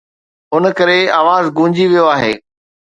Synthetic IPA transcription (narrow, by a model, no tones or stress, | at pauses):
ʊnəkɐɾeaːʋaːzɡũːɲd͡ʑiʋijoaːɦeː